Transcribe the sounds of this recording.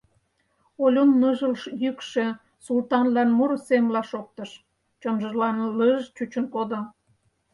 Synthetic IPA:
olʲonːəʒə̆lʃjykʃĕ | sult̪ɑnlɑnmuɾosemlɑʃok̚t̪əʃ | t͡ɕomʒə̆ʒlɑnləʒt͡ɕut͡ɕənkod̪o

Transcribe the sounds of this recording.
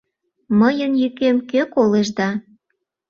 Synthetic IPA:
məjənjykemkøkoleʒd̪ɑ

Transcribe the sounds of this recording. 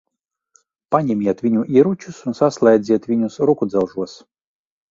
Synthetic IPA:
panʲɛmʲiɛt̪vʲinʲuʔiɾut͡ʃusunsaslˠajd̪zʲiɛt̪vʲinʲʊsɾukud̪zɛlˠʒuɔs

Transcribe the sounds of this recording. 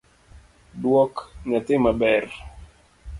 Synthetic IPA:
dwɔkɲatɪmabɛr

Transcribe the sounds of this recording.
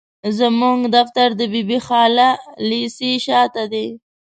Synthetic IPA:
zəmuŋɡd̪aft̪aɾd̪əbibixɑlalisiʃɑt̪ad̪e

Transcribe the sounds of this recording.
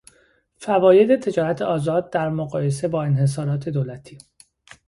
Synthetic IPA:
fævɒːje̞d̪e̞t̪ʰe̞d͡ʒɒːɾæt̪ʰeɒːzɒːd̪̚ːæɾmoɣɒːje̞s̬e̞bɒːe̞nɦe̞s̬ɒːɾɒːt̪ʰe̞d̪oːlæt̪ʰiː

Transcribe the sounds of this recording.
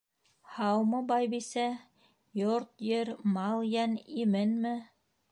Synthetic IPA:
hɑwmɤbɑjbisæ | joɾt̪jɘɾmɑlˠjænimɘnmɘ

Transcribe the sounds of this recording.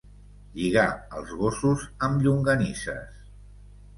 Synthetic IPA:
ʎiɣaəlˠzɣosuzəmʎuŋɡənisə̰s

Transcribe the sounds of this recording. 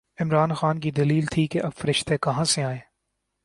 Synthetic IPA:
ɪmɾaːnxaːnk̬id̪ɐliːlt̪ʰikeʔɐbfɐɾɪʃt̪ekɐɦãseaːeː

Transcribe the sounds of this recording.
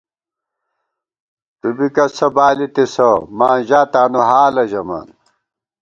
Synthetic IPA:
t̪ubikɐsɐbaːlit̪esomaːnʑaːt̪aːnuɦaːlɐʑɐma̰ːn

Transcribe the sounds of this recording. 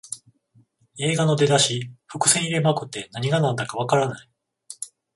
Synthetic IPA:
e̞ːɡano̞d̪e̞d̪aɕiɸɯ̟kɯ̟̥sẽɲiɾe̞makɯ̟t̪ːe̞naɲ̟iɡanãnd̪akaβ̞akaɾanai

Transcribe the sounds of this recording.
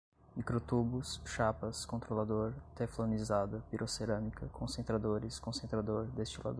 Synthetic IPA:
mikɾot̪ubʊsʃapɐskõnt̪ɾolad̪oɾt̪eflonizad̪ɐpiɾʔoseɾɐ̃mikɐkʰõsẽnt̪ɾad̪oɾɪskõsẽnt̪ɾad̪oɾd̪est͡ʃila̰d̪

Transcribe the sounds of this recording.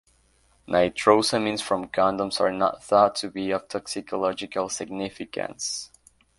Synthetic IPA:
nʔaɪtʰɹoʊsəmĩnsfɹʌ̃mkʰãndə̃msə̰˞nə̰t̪̚θɔtʰɨbiʌv̥tʰɔksɪkʰəlɔd͡ʒɪkəlˠsɪɡ̚nɪfɪkə̰̃ns

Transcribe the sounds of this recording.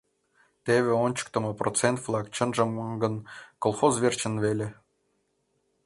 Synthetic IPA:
t̪eβʲĕonʲt͡ɕə̥kt̪ə̆mɤprot͡sent̪vlˠɑkt͡ɕə̆nʒə̆mɡə̆nkolˠχozvʲert͡ɕə̆nvelʲe

